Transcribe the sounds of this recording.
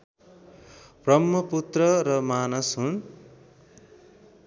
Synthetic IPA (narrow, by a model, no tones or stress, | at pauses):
b̥rʌmːʌput̪rʌɾʌmanʌsɦun